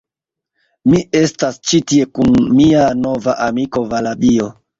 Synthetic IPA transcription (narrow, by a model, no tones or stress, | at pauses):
mie̞stast͡ʃitie̞kunmiano̞vaʔamiko̞valabio̞